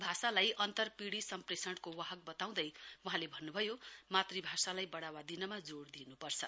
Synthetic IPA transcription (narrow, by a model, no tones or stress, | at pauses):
bʱasalajʔʌnt̪ʌrpiɽisʌmpresʌɳʈkowaɦʌk̚bʌt̪aw̃d̪ʌjwʌɦãlebʱʌnːubʱʌjomat̪ribʱasalajbʌɽawad̪inʌmad͡zoɽd̪inupʌrt͡sʰʌ